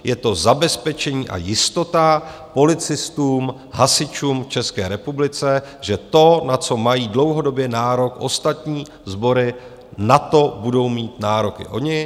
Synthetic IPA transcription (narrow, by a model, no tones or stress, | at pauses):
jɛt̪o̞zabɛspɛt͡ʃɛɲiːʔa̰jɪst̪o̞t̪apo̞lɪt͡sɪst̪uːm | ɦasɪt͡ʃuːmft͡ʃɛskɛːɾɛpublɪt͡sɛʒɛt̪o̞nat͡so̞majiːdlo̞wɦo̞do̞bjɛnaːɾo̞kʔo̞st̪at̪ɲiː | zbo̞ɾɪ | nat̪o̞budo̞wmiːt̪naːɾo̞kɪ̰ʔo̞̰ɲɪ